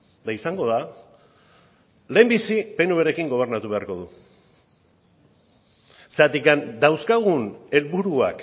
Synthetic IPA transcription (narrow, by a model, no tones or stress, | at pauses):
d̪aisaŋɡo̞ða | le̞ːmbisipe̞nuβeɾe̞kiŋɡo̞β̞e̞ɾnat̪uβe̞aɾko̞ð̞u | seat̪ikand̪awskaɣ̞une̞lβuɾua̰k